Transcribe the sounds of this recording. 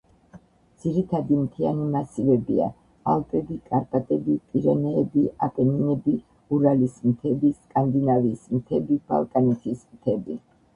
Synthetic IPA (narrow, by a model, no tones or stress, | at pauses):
d̪z̥iɾit̪ʰad̪imt̪ʰianimasivɛbḭa̰ | a̰lˠt̪ʼɾɛbikʼaɾpʼat̪ʼɛbipʼiɾɛnɛːbiapʼɛninɛbi | uɾalismt̪ʰɛbiskʼand̪inavismt̪ʰɛbib̥a̰lˠkʼanit̪ʰismt̪ʰɛbi